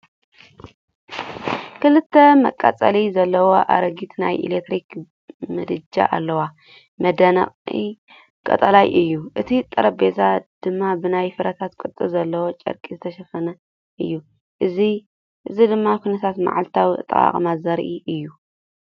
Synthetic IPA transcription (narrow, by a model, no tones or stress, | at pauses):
kʰɨlɨt̪ʰːɐmɐkʼa̰t͡sʼɐ̰lizɐlːɐwo̞ʔa̰ɾɐɡit̪na̰jʔḭlek̚t̪ɾik | mɐd̪ɨd͡ʒa̰ʔa̰lːɐwa | mɐd̪ɐnɐ̰qʼḭ | kʼɐ̰t̪ʼɐlajʔɨjːuʔɨt̪ʰit̪ʼːɨɾɐbezad̪̥ɨmːabɨnajfɨɾɐt̪ʰat̪kʼɨt̪ʼːɨzɐlːɐwot͡ʃʼɐ̰ɾkʼizɨt̪ʰɐʃɐfɐnɐ | ʔɨjːu | ʔɨzi | ʔɨzid̪ɨmːakʰʷunɐt̪ʰat̪ma̰ʕalt̪ʰawiɨ̰t̪ʼɐ̰a̰χʼmazɐɾʔiʔɨjːu